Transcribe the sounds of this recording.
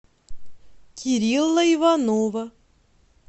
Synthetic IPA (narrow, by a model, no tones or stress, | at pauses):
kʲʰiɾʲilˠːɐivɑnovə